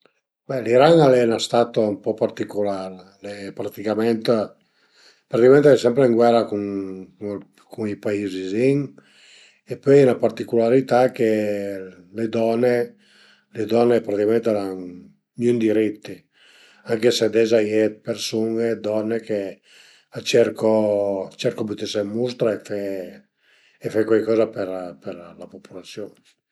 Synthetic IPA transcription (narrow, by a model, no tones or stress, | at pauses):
bɛliɾaŋalɛnast̪aːt̪ompɔpart̪ikolaɾ | lɛpɾat̪ikamɛnt̪ | pɾat̪ikamɛnt̪eɛsɛmpɾeiŋɡwɛrakuŋ | kuŋipaiziziŋ | epøjɛnapart̪ikulaɾit̪ak̟e | led̪ɔnːe | led̪ɔnːepɾat̪ikamẽnt̪ɛɾan | nund̪iɾit̪ːi | aŋkesed̪ɛzajɛpersuŋed̪ɔnːeke | at͡ʃɛɾkot͡ʃɛɾkobut̪isemust̪ɾaefɛ | fakwajkɔːzapeɾperlapopʰulat̪sjon